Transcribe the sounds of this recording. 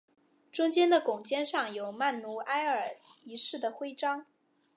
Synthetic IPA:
ʈ͡ʂʊ˥ŋt͡ɕjɛ˥nd̪ə˨kʊ˨˩ŋt͡ɕjɛ˥nʂɑ˥˩ŋjo˨˩ʊma˥˩nnu˧˥ʔa˥ɪə˞˨˩i˧˥ʂɻ̩˥˩d̪ə˩xwe˥ɪʈ͡ʂɑ˥ŋ

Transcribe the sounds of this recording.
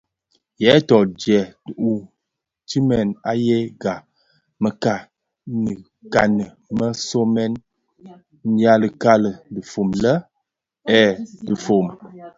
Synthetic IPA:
jɛ˨˦tɔ˨d͡ʒjɛ˨u˦ | ti˦mɛ˨na˦jɛ˦ɡa˨ | mə˨ka˨ | nə˨ | ka˨nə˨ | mə˦so˦mɛ˦n | n̩˦ja˦lə˨ka˦lə˨də˨fo˨mlə˦ | ɛ˦˨də˨fo˨m

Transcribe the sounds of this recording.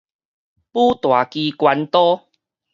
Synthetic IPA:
pu˦t̪wa˨˩ki˧kwa˧nt̪ɔ˦

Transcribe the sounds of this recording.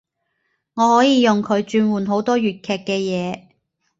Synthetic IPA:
ŋɔː˨˧hɔː˨˥jiː˨˧jʊ˨ŋkʰɵ˨˧ɥt͡ʃyː˧nwuː˨˩nɦo˨˥wt̪ɔː˥jyː˨t̚kʰɛː˨˧kːɛː˧jɛː˨˧

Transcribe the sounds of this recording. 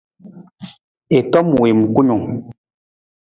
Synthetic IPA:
e˨tɔ˦m˨we˨m̩˨ku˦ɲu˨ŋ

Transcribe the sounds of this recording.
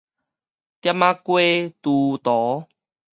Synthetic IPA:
t̪ja˦mã˦kwe˦t̪u˧t̪ɔ˨˦

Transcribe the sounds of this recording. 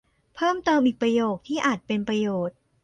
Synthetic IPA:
pʰɤː˥˩mt̪ɤː˧mʔi˨˩k̚pɾa˧joː˨˩k̚t̪ʰiː˥˩ʔaː˨˩t̪̚pe˧npɾa˧joː˨˩t̪̚

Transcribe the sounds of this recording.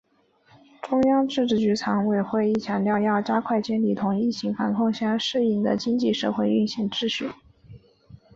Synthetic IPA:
ʈ͡ʂʊ˥ŋjɑ˥ŋʈ͡ʂɻ̩˥˧ʈ͡ʂɻ̩˥˩t͡ɕy˧˥t͡sʰɑ˧˥ŋwe˥˩ɪxwe˥˧ɪi˥˩t͡ɕʰjɑ˧˥ŋljɑ˥˧ʊjɑ˥˩ʊʈ͡ʂa˥kʰwa˥˩ɪt͡ɕjɛ˥nli˥˩t̪ʰʊ˧˥ŋi˥˩t͡ɕʰi˧˥ŋfa˧˥nkʰʊ˥˩ŋɕjɑ˥ŋʂɻ̩˥˧i˥˩d̪ə̰˩t͡ɕi˥ŋt͡ɕi˥˧ʂɤ̰˥˧xwe˥˧ɪy˥˧nɕjɛ˥˩nʈ͡ʂɻ̩˥˧ɕy̰˥˩n

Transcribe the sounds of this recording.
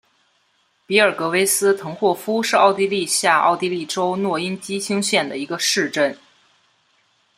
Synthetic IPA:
pi˧˥ə˞˨˩kɤ˧˥we˥ɪsɹ̩˥t̪ʰɤ˧˥ŋxwɔ˥˩fu˥ʂɻ̩˥˧ɑ˥˩ʊt̪i˥˧li˥˧ɕja˥˧ɑ̰˥˩ʊt̪i˥˧li˥˩ʈ͡ʂo˥ʊnwɔ˥˩i˥nt͡ɕi˥t͡ɕʰi˥ŋɕjɛ˥˩nd̪ə˩i˧˥ɡə˧ʂɻ̩˥˧ʈ͡ʂə˥˩n

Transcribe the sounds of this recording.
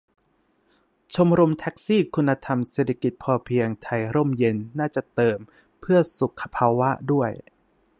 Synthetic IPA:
t͡ɕʰo˧mɾo˧mt̪ʰɛ˦˥k̚siː˥˩kʰu˧nːa˧t̪ʰa˧mseː˨˩t̪ʰḁ˧ki˨˩t̪̚pʰɔː˧pʰi˧əŋt̪ʰa˧jɾo˥˩mje˧nːaː˥˩t͡ɕa˨˩t̪ɤː˧m | pʰɯ˥˩ɐsu˨˩kʰːa˧pʰaː˧wa˦˥ʔdu˥˩əj

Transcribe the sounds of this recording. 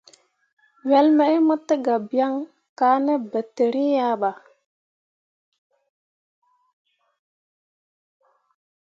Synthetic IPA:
wɛ˨˦lmɛ˨i˦mə˦tə˦ɡa˨bja˦ŋ | kaː˨˦nɛ˦bə˨te˨ɾi˦ja˦ɓa˨

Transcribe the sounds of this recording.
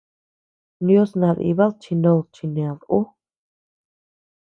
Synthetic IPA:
njo˦snã˧ðḭ˧βa˦lt͡ʃʰi˧nõ˧lt͡ʃʰi˧nẽ˨a˨ðu˦

